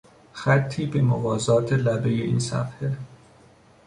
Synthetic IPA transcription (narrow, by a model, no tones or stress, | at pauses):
xæt̪ʰːiːbe̞movɒːzɒːt̪ʰelæbe̞jeʔḭːnsæ̰fhe